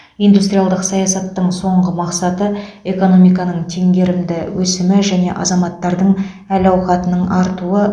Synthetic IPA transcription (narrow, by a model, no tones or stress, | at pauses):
ijnd̪ust̪ɾʲijalˠd̪əqsɑjɑsɑt̪ːəɴso̞ɴʁəmɑqsɑt̪əe̞ko̞no̞mijkɑnəɴt̪ʰe̞ŋɡʲe̞ɾɪmd̪ɪwɵsɪmɪʒæne̞ʔɑ̰zɑmɑt̪ːɑɾd̪əɴ | ælɑwqɑt̪ənəɴɑɾt̪uə